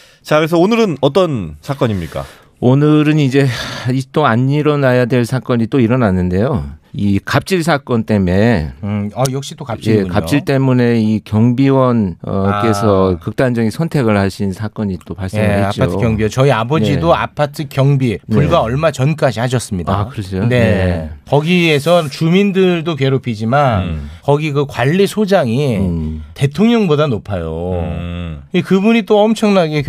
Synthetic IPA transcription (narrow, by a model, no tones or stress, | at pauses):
t͡ɕakɯɾes̬ʰʌonɯɾɯnʌt̬͈ʌnsʰak͈ʌɲimɲik͈a̰ | onɯɾɯnid͡ʑe̞it͈oaɲːiɾʌnajadwe̞ɭsʰak͈ʌɲit͈oiɾʌnanːɯnde̞joikap̚t͡ɕ͈ʰiɭs̬ʰak͈ʌnt͈e̞me̞ | ajʌk̚ɕ͈it͈okap̚jiekap̚t͡ɕ͈ʰiɭt͈e̞mune̞ikjʌŋbiwʌnʌk͈e̞sʰʌkɯk̚t͈and͡ʑʌɡisʰʌntʰe̞ɡɯɭhaɕʰinsʰak͈ʌɲit͈omaɭseeɦeapt͡ɕ͈iaotʰɯkjʌŋbiet͡ɕʌiabʌd͡ʑidoa̰pʰatʰɯkjʌŋbinpuɭɡaʌɭmat͡ɕʌnk͈ad͡ʑihaɕʰʌs͈ɯmɲidakɯɾʌsʰone̞kʌɡiesʰʌt͡ɕumindɯɭdoke̞ɾopʰid͡ʑimankʌɡikɯkwaʎːisʰod͡ʑaŋite̞tʰoŋɲʌŋbodanopʰajo̰ | ikɯbuɲit͈oʌmt͡ɕʰʌŋnaɡe